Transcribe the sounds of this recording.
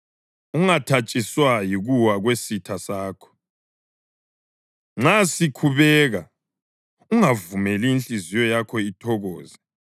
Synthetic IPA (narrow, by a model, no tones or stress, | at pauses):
uŋatʰat͡ʃʼiswajiɣuwaɣwesitʰasaːkʰɔ̥ | ŋ͡ǁasikʰuβɛɣa | uŋavumɛliːnt͡ɬʼizijɔjakʰɔitʰɔɣɔːzi